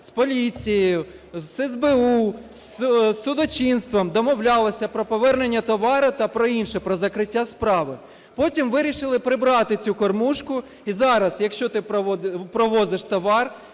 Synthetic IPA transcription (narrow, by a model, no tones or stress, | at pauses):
spɔlʲit͡sʲijjʊ | zɛzbɛussːʊd̪ɔt͡ʃʲinst̪ʋɔmd̪ɔmɔwlʲɑlˠɔsʲɐpɾɔpɔʋɛrnenʲːɐt̪ɔʋɑɾʊt̪ɐpɾɔinʃɛpɾɔzɐkɾɪtʲːaspɾɑʋɪ | pɔtʲimʋɪɾʲiʃɪlˠɪpɾɪbɾɑt̪ɪt͡sʲukɔrmuʃkʊ | izɑɾɐsjɐkʃt͡ʃɔt̪ɪpɾɔʋɔzɪʃt̪ɔʋɑr